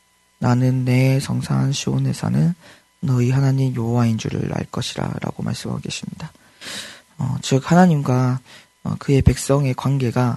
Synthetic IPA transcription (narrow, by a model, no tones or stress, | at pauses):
nanɯnːe̞sʰʌŋsʰanɕʰionɦe̞sʰʌ̰nɯnː | ʌiɦanaɲimjoowaind͡ʑṵɾɯ̰ɾa̰ɭk͈ʌɕʰiɾa̰ɾa̰ɡ̥omʔa̰ɭs͈ɯmɦa̰ɡeɕʰimɲida | ʌ̰t͡ɕɯk̚hanaɲimɡwa | ʌ̰kɯe̞pe̞k̚s͈ʌŋe̞kwanɡe̞ɡa